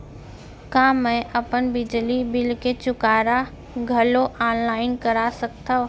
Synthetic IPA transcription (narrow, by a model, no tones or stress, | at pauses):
kamːɛ̃ʔəpənbɪd͡ʒlibɪlket͡ʃʊkaːɾa | ɡʱəloʔaːnlaːɪnkəɾasək̚t̪a